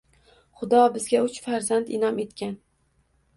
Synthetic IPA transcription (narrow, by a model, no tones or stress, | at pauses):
χʊd̪ɒbɪzɡʲaʊt͡ʃfaɾzand̪ɪnɒme̞t̪kʲan